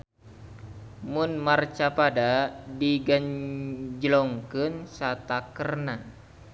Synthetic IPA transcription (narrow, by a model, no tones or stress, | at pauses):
mʊnmart͡ʃapadadiɡaɲd͡ʒəlɔŋkɨnsat̪akərna